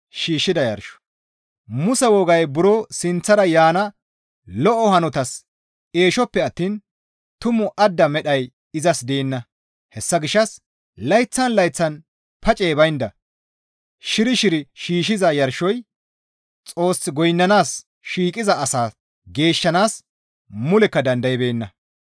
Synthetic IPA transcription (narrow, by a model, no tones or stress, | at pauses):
ʃiːʃːɪd̪ɐjɐ̰ɾʃɔ̥ | mʊsɛwɔɡɐjbʊɾoːsɪnt͡sːɐɾɐjaːnɐ | lɔʔɔhɐnɔt̪ɐs | e̞ːʃɔpːɛɐt̪ːiːn | t̪ʊmɔʔɐd̪ːɐmɛɗɐj | ɪzɐsd̪eːnːɐ | hɛsːɐɡɪʃːɐs | lɐjt͡sːɐnlɐjt͡sːɐn | pʰɐt͡ʃʼe̞ːbɐjnd̪ɐ | ʃɪɾɪʃɪɾɪʃiːʃɪzɐjɐɾʃːɔj | t͡sʼo̞ːsːɪɡɔjnːɐnaːs | ʃiːkʼɪzɐːsaː | ɡe̞ːʃːɐnaːs | mʊlɛkːɐd̪ɐnd̪ɐjbe̞ːnːɐ